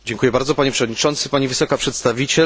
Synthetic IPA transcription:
d͡ʑɛŋkujɛbaɾd̪zɔpaɲɛpʂɛvɔd̪̚ɲit͡ʂɔnt̪sɘpaɲivɘsɔkapʂɛt̪st̪avʲit͡ɕɛ

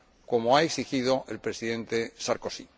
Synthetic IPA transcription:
ko̞moaeksixiðo̞ʔe̞lpɾe̞siðe̞nt̪e̞saɾko̞si

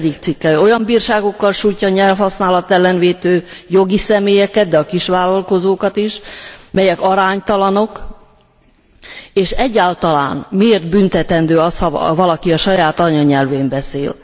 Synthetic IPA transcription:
d̪ik̚t̪sikːɛlo̞jɒmbiːrʃaːɡo̞kːɒlʃuːjcːɒːɲɛlfhɒsnaːlɒt̪ɛlːɛnveːt̪øːjo̞ɡisɛmeːjɛkɛd̪̚d̪ɛɒkiʃʋaːlɒlko̞zoːkɒt̪iʃmɛjɛkɒɾaːɲt̪ɒlɒno̞k | eːʃɛɟːaːlt̪ɒla̰ːnmieːrt̪̚bynt̪ɛt̪ɛnd̪øːɒshɒvɒlɒkiɒʃɒjaːt̪ɒɲɒɲɛlveːmbɛsḛːl

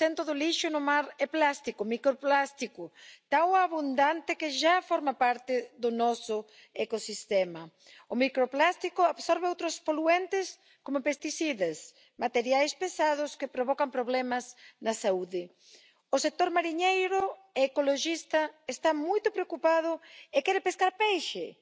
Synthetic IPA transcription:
ent̪ɾʊðʊliʃʊnʊmaɾɛplast̪ikomikɾoplast̪ikʊt̪awaβund̪ant̪ɪkɪʃafɔɾmapaɾt̪ɪðʊnɔsʊ | ekosist̪ɛmɐ | ʊmikɾoplast̪ikʊaβsɔɾβeowt̪ɾʊspoluent̪ɪs | komʊpest̪isiðɐs | mat̪eɾjajspesaðʊskɪpɾoβɔkampɾoβlɛmɐsnɐsauðɪ | ʊsek̚t̪oɾmaɾiɲejɾʊ | eːkoloʃist̪ɐest̪amujt̪ʊpɾeokupað̞ʊekɛɾɪpeskaɾpejʃe

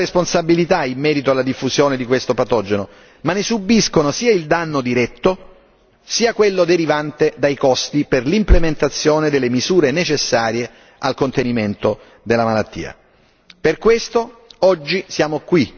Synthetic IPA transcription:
esponsabilit̪aimːɛːɾit̪oalːad̪ifːuzjoːned̪ikwest̪opat̪ɔd͡ʒeno | manːesubːiskonosiːaild̪anːod̪iɾɛt̪ːo | siːakwelːod̪eɾivant̪ed̪ajkɔst̪iperlimplement̪at̪sːjoːned̪elːemizuːɾenet͡ʃesːaːɾje | alkont̪eniment̪o | d̪elːamalat̪ːḭːa̰ | perkwest̪oɔd͡ʒːisjaːmokwi

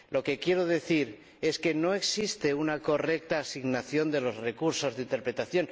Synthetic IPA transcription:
lo̞ke̞kje̞ɾo̞ðe̞θiɾ | e̞ske̞no̞e̞ksist̪e̞unako̞re̞k̚t̪aːsiɣnaθjo̞nd̪e̞lo̞zre̞kuɾso̞zðeint̪e̞ɾpɾe̞t̪aθjo̞n

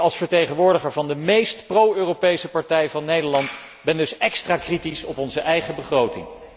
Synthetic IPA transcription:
ɑlˠsfəɹtejχənʋʊːɹdəχəɹvɑndəmejstprowøːropejsəpɑɹtɛjvɑnːejdəɹlɑnt | bɛndɵsɛkstraːkritisɔpɔnzəʔɛjχəbəχrowtɪ̰ŋ

